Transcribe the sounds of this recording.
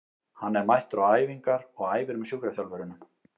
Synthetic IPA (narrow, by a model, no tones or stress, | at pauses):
hanːɛɾmajht̪ʏɾaaːjviŋkaɾɔɣaːjvɪɾʏmsjukɾaθjalvœɾʏnʏm